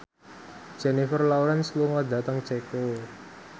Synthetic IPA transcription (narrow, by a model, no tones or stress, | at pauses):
ʒ̥ɛ̤nifərlawɾansluŋɔd̪ä̤t̪əŋt͡ʃeko